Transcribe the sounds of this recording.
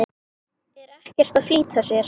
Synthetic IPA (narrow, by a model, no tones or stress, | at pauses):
ɪ | ɛɾɛhcɛr̥t̪aðfliːt̪ʰasjɛɾ̥